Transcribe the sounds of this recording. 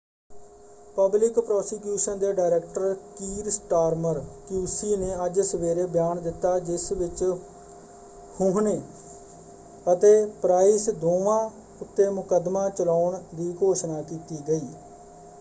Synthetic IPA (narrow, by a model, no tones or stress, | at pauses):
pəblɪkpɾɔːsikjuːʃənd̪eːɖaːɪɾeːkʈəɾkiːɾsʈaːɾməɾkjuːsiːneːəd͡ʒsəʋeːɾeːbɪjaːnd̪ɪt̪ːaːd͡ʒɪsʋɪt͡ʃ | hʊɦneː | ət̪eːpɾaːiːsd̪oːʋãː | ʊt̪ːeːmʊkəd̪mãːt͡ʃəlaːʊɳd̪iːkoːʃnaːkiːt̪iːɡəiː